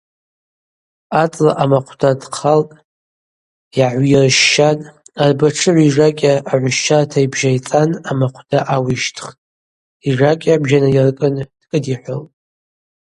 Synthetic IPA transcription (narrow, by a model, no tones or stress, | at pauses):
at͡sʼlaʔamaqʷʰdadqʰaltʼ | jaʕʷirʃːanarbaʈ͡ʂʰɨʕʷiʐakʲʼaʔːʕʷʊʃʃartʰaibʒajt͡sʼanamaqʷʰd̥aʔawiʃtʰχtʼ | iʐakʲʼabʒanajarkʼɨnd̥kʼɨdiħʷoltʼ